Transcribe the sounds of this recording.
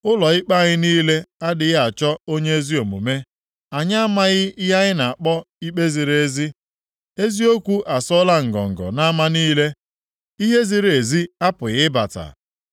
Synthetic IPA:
ʊ˦lɔ˨ɪ˦k͡pa˦˨ɲɪ˦niː˦le˦a˦dɪ˨ɣa˨t͡ʃɔ˦o˦ɲe˦e˦zi˦o˨mṵ˨me˦ | a˨ɲa˦a˦ma˦ɣɪ˦ja˦ɣɪ˦na˨a˨k͡pɔ˦ | i˦k͡pe˦zi˨ɾe˦zi˦ | e˦zi˦o˦kʷu˦ʔa˨sɔ˦la˦ŋ̩˨ɡɔ̰˨ŋ̩˨ɡɔ̰˨na˦ma˦niː˦le˦ | i˦ɦe˦zi˦ɾe˨zi˦a˦pʊ˨ɣɪ˦ba̰˨ta̰˨

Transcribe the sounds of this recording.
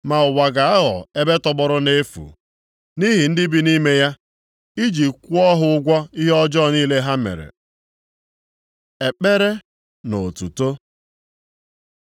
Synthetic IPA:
ma˨ʊ˨wa˨ɡa˨a˦ɦɔ̰˨e˦be˦tɔ˨bɔ˦ɾʊ˦ne˦fṵ˨ | ni˦ɦi˨n̩˦dɪ˦bi˦ni˦me˦ja˦ | i˦d͡ʒi˨kʷu˦ɔ˦ɦʊ˦ʊ˦ɡʷɔ˦i˦ɦɔ˦d͡ʒɔ˦˨niː˦le˦ɦa˦mḛ˨ɾḛ˨ | e˨k͡pe˦ɾe˦ | no˨tṵ˨to˦

